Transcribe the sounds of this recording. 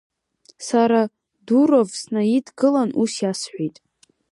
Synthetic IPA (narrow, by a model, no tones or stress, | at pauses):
saɾa | duɾovsnaidɡɨlanʔusjasħʷijtʼ